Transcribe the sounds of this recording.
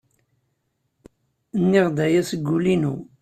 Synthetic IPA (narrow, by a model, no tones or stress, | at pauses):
nːiʁd̪æjæsəɡːulinu